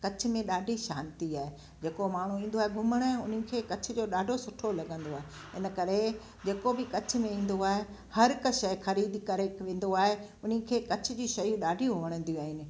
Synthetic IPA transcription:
kɐt͡ɕʰʊ̆mẽɗaːɖʱiʃaːnt̪iaːɦe | d͡ʑeːkomaːɽ̤̃ũĩːn̆d̪oaːɦeɡʱʊməɽ̃ɛ̃ʊn̤kʰeːkɐt͡ɕʰʊ̆d͡ʑoːɗaːɖʱosʊʈʰolɐɠə̃nd̪oaːɦe | ɪnə̆kɐɾe | d͡ʑeːkobɪkɐt͡ɕʰʊ̆mẽĩːn̆d̪oaːɦe | hɐɾkɐʃɐjxɐɾiːd̪kɐɾeːkʋẽːn̆d̪oaːɦeʊn̤ɪkʰeːkɐt͡ɕʰʊ̆d͡ʑiːʃɐjũɗaːɖʱijũʋɐɽ̃ə̃nd̪iũaːɦɪnɪ̆

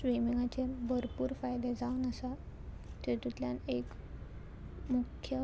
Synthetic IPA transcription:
sʋimiŋɡat͡ɕebʱəɾpuːɾfajd̪ed͡zaʋnəsa | t̪et̪ut̪ljanek | mukʰːjə

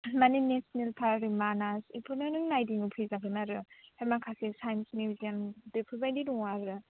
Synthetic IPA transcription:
manenesnelpʰaɾɾimanasipʰɯɾnɯnɯŋnajdiŋupʰizaɡɯnaɾɯhajmakʰasesajnsnibiziandepʰubajdiduŋaɾɯ

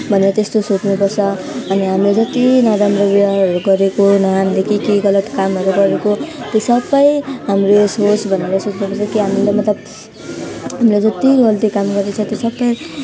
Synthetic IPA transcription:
bʱʌneɾʌt̪est̪osot͡snupʌrt͡sʰʌ | ʌniɦamiled͡zʌt̪inʌɾamɾʌbiaʌɾuɡʌɾekonʌɦamilekikeɡʌlʌt̪kamɦʌɾuɡʌɾekot̪esʌbʌjɦamresɦosʰbʱʌneɾʌsot͡snupʌrt͡sʰʌkiɦamilemʌt̪lʌb | ɦamiled͡zʌt̪iʌlt̪ikamɡʌɾd̪et͡sʰʌt̪esʌbʌj

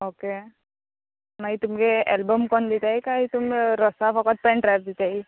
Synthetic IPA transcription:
oke | naɦit̪umkeelbəmkɔnd̪it̪aɦikaɦit̪umɾɔsapʰɔkət̪̚pɛ̃ɳʈɾajp̚d̪it̪aɦi

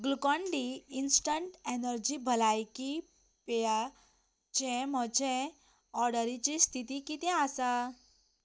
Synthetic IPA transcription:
ɡlukɔɳɖiːnsʈəɳʈenəɾd͡ʑibʱəlajki | peja | t͡ɕɛ̃m̤ət͡ɕɛ̃ | ɔɾɖəɾit͡ɕist̪ʰit̪ikit̪ɛ̃asa

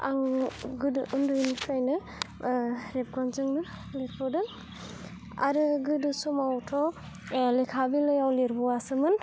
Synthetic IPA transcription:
aŋɡɯdʔundɯjnikʰɾajnɯ | ɾep̚ɡɔnzɯŋnɯ | liɾpʰɔdɯŋ | a̰ɾɯɡɯdɯsumawtʰɔ | lekʰabilɯjawleɾpʰɔwasɯmɯn

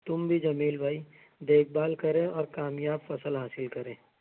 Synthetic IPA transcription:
t̪ʊmbʱid͡ʒɐmiːlbʱaːi | d̪eːk̚ʰbaːlkɐɾẽɔːɾkaːmjaːbfɐsəlɦaːsɪlkɐɾẽː

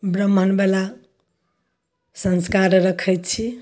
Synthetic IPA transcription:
bɾəmʱənbela | sə̃nskaɾɾəkʰɛjt̪t͡ʃʰi

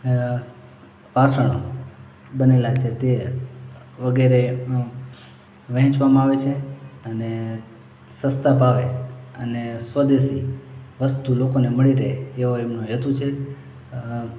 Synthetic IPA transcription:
ʋasəɽ̃o̰ | bənelat͡ʃʰet̪e | ʋəɡeɾe | ʋɛ̃ɦt͡ʃʋamãaʋet͡ʃʰeəne | səst̪abʱaʋeənesʋəd̪esiʋəst̪ulokoneməɭiɾəɦeːoɛmnoɦət̪ut͡ʃʰe

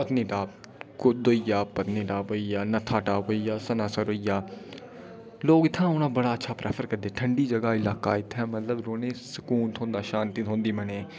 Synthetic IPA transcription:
pət̪niːʈaː | kʊd̪oːɪjaːpət̪niːʈaːboijaːnɐt̪ʰaːʈaːʋoijaːsɐnaːsəɾoijaː | loːɡɪt̪ʰːãːonãːbəɽaːətːʃʰaːpɾʔɛ̰ːfʰəɾkəɾd̪eːʈʰəɳɖiːd͡ʒɐɡaːɪlaːka̰ːɪt̪ʰɛːmɐt̪ləbɾoːnẽːsɪ̥kuːnt̪ʰõːnd̪aːʃaːnt̪it̪ʰɦõːnd̪iːmɛneː

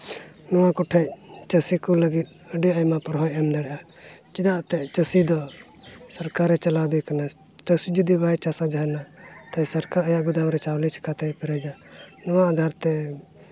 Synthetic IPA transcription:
nɔwãkɔʈʰɛt͡ʃəsikɔləɡit̪̚ | əɖɛəjmapɔɾɦɔjɛmd̪ɛɽɛʔa | t͡ʃid̪aʔt̪ɛt͡ʃəsid̪ɔ | səɾkaɾɛt͡ʃəlad̪ɛkəna | t͡ʃəsid͡ʒəd̪ibajt͡ʃasad͡ʒaɦna | t̪asəɾkaɾəjaʔɡʊd̪amɾɛt͡ʃawlit͡ʃʰkat̪ɛpɛɾɛd͡ʒa | nɔwad̪ʱaɾt̪ɛ

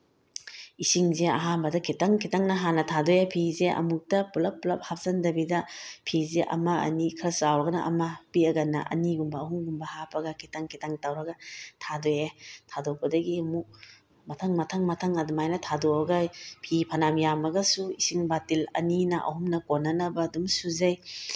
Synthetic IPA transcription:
isiŋzeɐ̰ɦanbɐdɐkʰitaŋkʰitaŋnɐɦanɐtʰadojepʰizeʔɐ̰muk̚tɐpulɐpːulɐp̚hap̚z̥ɐndɐbidɐpʰizeʔɐ̰mɐɐ̰nikʰɾɐsawɾɐɡɐnɐʔɐ̰mɐpiɐɡɐnːɐʔɐ̰niɡumbɐːɦuŋɡumbɐhapɐɡɐkʰitaŋkʰitaŋtawɾɐɡɐtʰadojetʰadok̚pɐdɐɡimuk̚ | mɐtʰaŋmɐtʰaŋmɐtʰaŋadumajnɐtʰadoɾɐɡapʰipʰɐnamjamɐɡɐsuisiŋbatilɐ̰ninɐʔɐ̰humnɐkonːɐnɐbɐdumsuzɐj

